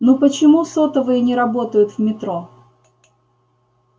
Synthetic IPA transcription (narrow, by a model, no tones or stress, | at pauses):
nupət͡ɕɪmusot̪əvɨjənʲɪɾɐbo̞t̪əjʊt̪vmʲɪt̪ɾo̞